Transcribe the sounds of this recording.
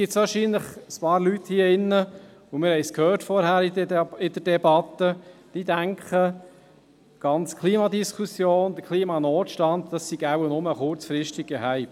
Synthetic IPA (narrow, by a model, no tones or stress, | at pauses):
ɡɪt͡ssʋɑːɾʃiːnləχəspɑːɾlyt̪hiːəɪnːə | ʊmɪɾhɛɪskhœːɾtfɔɾhæɾɪdɪdəɾdɛbɑt̪ːəd̥id̪æŋkχə | ɡ̥ɑnt͡skʰliːmɑd̪iskʰusjoːnd̥əkʰliːmɑnoːt̪ʃtɑnd̪d̥ɑssiɡ̥aʊnʊməχʊɾt͡sfɾɪʃtiɡ̚ɡəɦæɪp